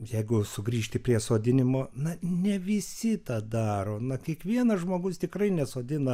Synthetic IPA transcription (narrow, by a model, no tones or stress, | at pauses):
jɛɪɡʊsʊɡɾʲiːʃʲt̪ʲɪpʲrʲiɛsoːd̪ʲɪnʲɪmoːnɐnʲɛʋʲɪsʲɪt̪ɐd̪ɑːɾoːnɐkʲiɛkʋʲiɛnɐʒmoːɡʊst̪ʲɪkrɐɪnʲɛsoːd̪ʲɪnɐ